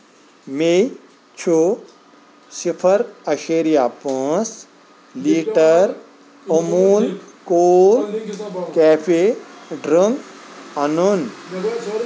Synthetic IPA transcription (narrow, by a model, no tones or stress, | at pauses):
me | t͡ʃʰu | sipʰəɾɐʃeːɾijapɔ̃ːs | liːʈəɾ | omuːlkoːlkɛːpʰeɖɾəŋɡɐnun